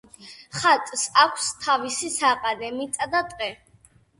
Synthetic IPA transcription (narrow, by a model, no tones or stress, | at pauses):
χat̪ʼsakʷʰst̪ʰavisisaːqʼad̪ɛmit̪sʼad̪at̪ʼqʼɛ